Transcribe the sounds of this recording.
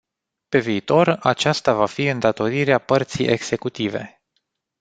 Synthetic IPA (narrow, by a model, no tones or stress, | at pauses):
pe̞viːt̪o̞rat͡ʃast̪avafiɨnd̪at̪o̞ɾiɾeapərt̪sḭjʔe̞ɡse̞kut̪ive̞̰